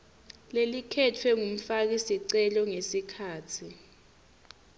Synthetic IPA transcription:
lelikʰɛtʰwɛŋum̩fak̬isiǀɛlɔŋesikʰaːtʰi

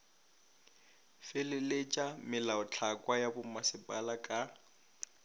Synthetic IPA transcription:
felɪlet͡ʃʼamɪlaʊt͡ɬʰakʼwajabʊmasɪpʼalakʼa

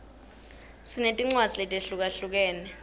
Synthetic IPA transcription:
sinetʼiŋ͡ǀwazʱilɛtʼeɬuk̬ʼaɬuk̬ɛːnɛ

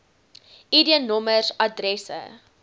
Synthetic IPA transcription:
idiənɔmərsadrɛsə̰

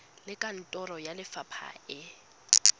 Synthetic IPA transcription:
lɪkʼan̩tʼɔrɔjalɪfapʰa̰ɪ

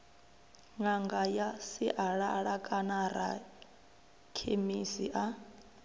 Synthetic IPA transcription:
ŋaŋɡajasiʔaɺaɺakʼanaɾa̰ | kʰemisiʔa

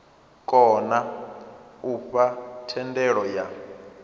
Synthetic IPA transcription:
kʼɔna | uɸatʰɛndɛɺɔja

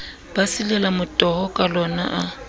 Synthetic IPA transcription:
b̥asilɛlamʊtʼɔhɔkʼalɔna̰ʔa

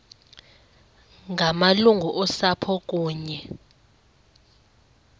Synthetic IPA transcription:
ŋʱamaluŋɡʱuʔɔsapʰɔk̬ʼuːɲɛ

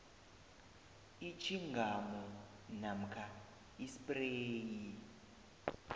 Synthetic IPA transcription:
it͡ʃʰiŋɡʱamɔ | nam̩kʰa | isipʼreːji

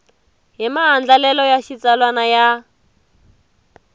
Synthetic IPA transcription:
ɦimaɦand͡ɮalɛlɔjaʃit͡salwanaja

